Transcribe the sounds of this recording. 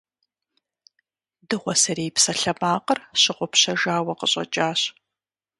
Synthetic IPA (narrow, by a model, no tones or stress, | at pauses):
dɨʁʷɔsɐɾeːjpsɐɬɐmaːqərɕɪqʷʊpɕɐʒaːwɐqəɕʼɐ̰t͡ʃʼaːɕ